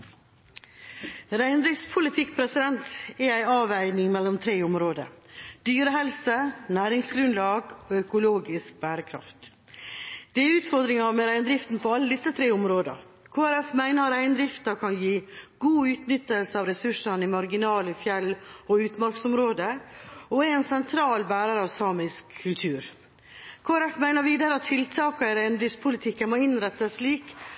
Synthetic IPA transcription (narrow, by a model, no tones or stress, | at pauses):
ɾæɪnd̪ɾɪftspʰʊlɪt̪ʰɪk̚pʰɾɛsɪd̪ɛnt̪ɛæɪɑːʋæɪnɪŋmɛlːɔmt̪ʰɾeːʊmɾoːd̪ə̰d̪̥yːɾəɦɛlsənæːɾɪŋsɡɾʉnlɑːɡoːœkʊloːɡɪsk̚bæːɾəkʰɾɑ̰ft̪ | d̪̥ɛɛɾʉːt̪fɔɾd̪ɾɪŋɑmɛɾæɪnd̪ɾɪft̪n̩pʰoːɑlːəd̪ɪsːət̪ʰɾeːɔmɾoːd̪ə̰ | kʰoːæɾɛfmæɪnəɾɑɾæɪnd̪ɾɪft̪ɑɾkʰɑnjiːɡ̥uːʉːt̪nʏt̪ːəlsəɑʋɾɛsʉʂənimɑɾɡɪnɑːləfjɛlːɔʉːt̪mɑɾksɔmɾoːd̪əɔɛɛnsɛnt̪ʰɾɑːlbæːɾɑɾəɑʋsɑːmɪskʰːʉlt̪ʰʉːɾ | kʰoːæɾɛfmæɪnəɾʋiːd̪ɑɾəɑt̪ʰːɪlt̪ʰɑːkɑɪɾæɪnd̪ɾɪfst̪pʰʊlɪt̪ʰɪkːənmoːɪnɾɛt̪ːəliːk